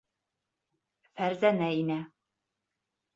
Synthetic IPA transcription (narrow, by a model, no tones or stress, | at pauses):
fæɾzænæinæ